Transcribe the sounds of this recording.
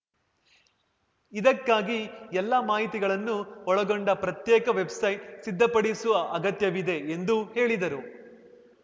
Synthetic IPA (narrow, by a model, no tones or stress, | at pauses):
id̪ɐkːaːɡiɛlːɐmaːɦit̪iɡɐɭɐnːuɔɭɐɡoɳɖɐpɾɐt̪jɛːkɐʋe̞bsɐjʈsid̪ʱːɐpɐɽisuʋɐʔɐɡɐt̪jɐʋid̪e̞end̪uhe̞ːɭid̪ɐɾu